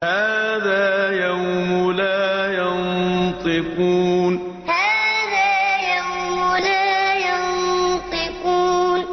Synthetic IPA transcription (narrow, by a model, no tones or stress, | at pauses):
haːðaːjawmʊlaːjɑnt̪ˤɨquːn | haːðaːjawmʊlaːjɑnnt̪ˤɨquːn